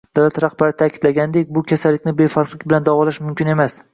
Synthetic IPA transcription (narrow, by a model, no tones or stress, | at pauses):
d̪̥awlat̪ɾahbaɾɪt̪ʰakʲʰɪd̪laɡʲand̪ek̚ʲbʊkʲʰasalːɪk̚ʲnɪbe̞faɾqlˠɪkʲbɪland̪avɒlaʃmʊmkʲɪne̞mas